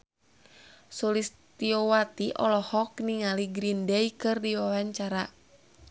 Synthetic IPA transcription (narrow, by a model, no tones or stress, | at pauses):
sulis | t̪iɔwat̪iʔɔ̰lɔhɔkniŋaliɡɾindɛjkɨrdiwawaɲt͡ʃaɾa